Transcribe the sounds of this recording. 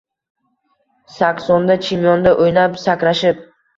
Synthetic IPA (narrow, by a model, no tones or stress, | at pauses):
sakʲsɒnd̪at͡ʃʰimjɒnd̪aʔojnapsakʲɾaʃɪp̚